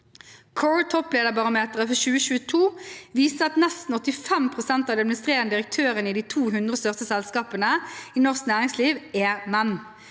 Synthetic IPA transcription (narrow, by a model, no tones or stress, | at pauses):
kʰɔɹt̪ʰɔpleːd̪əbɑʁʊmeːt̪əʁəfɔʃʉːəʃʉːət̪ʰuːʋiːsəɑt̪nɛst̪n̩ɔt̪ːɪfɛmpʰʁʊsɛnt̪ɑʋd̪ɛd̪mnɪst̪ʁeːʁənəd̪ɪʁək̚t̪ʰøːʁəniːd̪iːt̪ʰuːɦʉnd̪ʁəst̪œʁsəsɛlskɑːpənəiːnɔʁsknæːʁɪŋsliːʋeːmɛnː